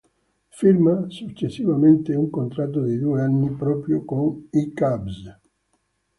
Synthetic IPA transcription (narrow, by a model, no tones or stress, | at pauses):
fiɾmasut͡ʃːesːivament̪euŋkont̪ɾat̪̬ːod̪id̪ueanːipɾɔːpɾjokoŋikabs